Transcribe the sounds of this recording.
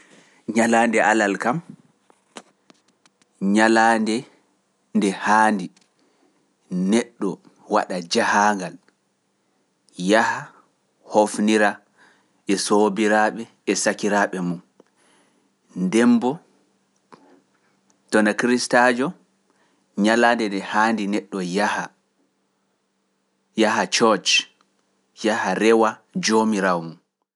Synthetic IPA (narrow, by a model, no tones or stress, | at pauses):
ɲalandɛʔalalkam | ɲalandɛ | ndɛhaːndi | nɛɗːɔ | wa̰ɗad͡ʒahaŋɡal | jaha | hofniɾa | ʔɛsobiɾaɓɛːsakiɾaɓɛmun | ndɛmbɔ | tɔnakɾistad͡ʒɔ | ɲalandɛdɛhaːndinɛɗːɔjaha | jahat͡ʃɔt͡ʃ | jahaɾɛwad͡ʒomiɾawmun